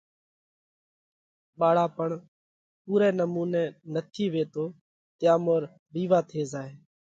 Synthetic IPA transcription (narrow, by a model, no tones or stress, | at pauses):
ɓaːɽaːpəɳ | puːɾɛːnəmuːnɛ̃ːnət̪ʰiːʋeːt̪oː | t̪ɪjãːmoːɾ | ɾiːʋaːt̪ʰeːzaːɦeː